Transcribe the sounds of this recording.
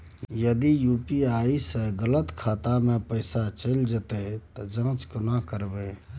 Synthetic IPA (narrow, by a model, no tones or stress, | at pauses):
jəd̪ijupiaisəɡələt̪kʰat̪amẽpəɪsat͡ʃəld͡ʒət̪et̪ɔd͡ʒãːt͡ʃkənakəɾbe